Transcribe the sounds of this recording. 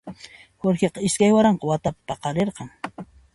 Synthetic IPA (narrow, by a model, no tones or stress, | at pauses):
woɾxeqɑɪskajwaɾɑɴqɑwat̪apḁpɑqɑɾeɾqɑŋ